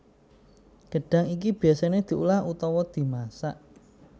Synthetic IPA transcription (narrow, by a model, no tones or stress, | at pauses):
ɡ̥ə̤ɖ̥a̤ŋikib̥i̤asaned̪̥i̤ʔulahut̪ɔwɔd̪̥i̤masaʔ